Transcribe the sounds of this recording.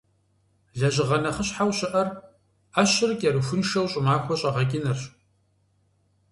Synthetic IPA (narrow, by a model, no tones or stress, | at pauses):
ɮɐʑɪʁɐnɐχəɕħawɕɪʔɐr | aɕɪrkʼɛɾɨfʷʊnʃɐwɕʼɪmaːxʷɔɕʼɐʁɐkʲʼɪnɐr